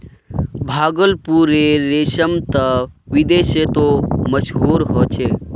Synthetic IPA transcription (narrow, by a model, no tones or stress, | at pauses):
bʱaːɡəlpuɾeɾeːʃəmt̪əʋid̪eːʃet̪oməʃɦuːɾɦot͡ʃʰe